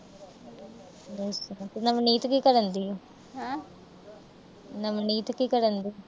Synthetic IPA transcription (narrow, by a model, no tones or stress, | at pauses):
ost̪enəmniːt̪kiːkəɾənd̪io | ɦã | nəmniːt̪kiːkəɾənd̪i